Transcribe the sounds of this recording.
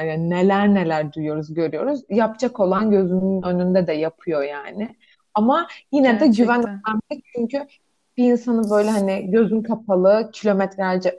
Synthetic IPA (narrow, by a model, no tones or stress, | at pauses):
jane̞lʲæɾne̞lʲæɾd̪ujjo̞ɾuzɟø̞ɾyjo̞ɾuzjapt͡ʃʰako̞lˠanɟø̞zynynø̞nynd̪ɛd̪ɛjapʰɯjo̞jaːnɪ | amajinɛd̪ɛɟyvænæmʲit͡ʃʰyɲcy | b̥iːnsanɯbø̞jlʲɛɦanɪɟø̞zynkʰapʰalˠɯcʰilʲo̞mɛt̪ʰɾʲæɾd͡ʒɛ